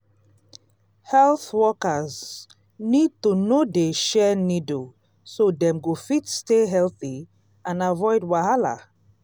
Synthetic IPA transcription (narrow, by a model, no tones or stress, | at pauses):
hɛlˠθwɔkəz | nid̚tunodeʃɛnido | sodɛ̃mɡofitsteɦɛlθi | ãnavɔɪdwahala̰